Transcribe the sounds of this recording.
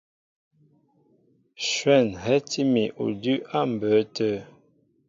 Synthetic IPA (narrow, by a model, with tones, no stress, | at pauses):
ʃwɛ˦˨nɦɛ˦ti˦mi˨ʔṵ˨dʉ˦ʔa˦˨m̩˨bə˨˦tə˦